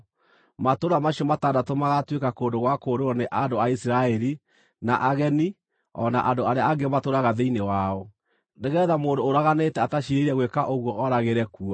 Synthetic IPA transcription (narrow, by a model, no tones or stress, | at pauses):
matoɾamaɕiɔmataːndatomaɣatwekakoːndoɣwakoːɾoɔneʔandoaisiɾaɛɾi | naʔaɣɛni | ɔnaʔandoaɾeaaɡematoɾaɣaðeinewaɔ | neɣɛːðamoːndoːɾaɣanetɛataʃiɾeɾiɛɣwekaʔoɣwɔʔɔɾaɣeɾɛkuɔ